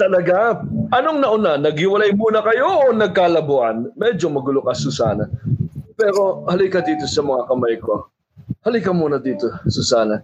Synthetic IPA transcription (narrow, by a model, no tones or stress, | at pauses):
t̪ɐlɐɡaʔɐnoŋnɐʔʊnanɐɡ̚hɪwɐlajmuːnɐkɐjo̞ʔonɐɡ̚kalɐboʔɐnmɛd͡ʒomɐɡʊlʊkasʊsa̰ːnɐpɛɾo̞hɐlɪkɐd̪iːt̪o̞sɐmɐŋakɐmajko | hɐlɪkɐmuːnɐd̪iːt̪o̞sʊsaːnɐ